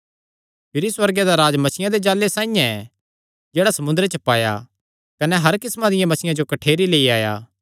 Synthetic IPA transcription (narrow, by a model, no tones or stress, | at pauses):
pʰɪɾiswɐɾɡed̪aɾaːd͡ʒmɐsɪjãd̪ed͡ʒaːlːesaːĩjãɛ | d͡ʒeːɽasɐmʊ̃nd̪ɾet͡ʃɐpaːja̰ | kɐnɛɦɐɾkɪsmãd̪ɪjãmɐsɪjãd͡ʒokɐʈʰeːɾileːiaːja̰ː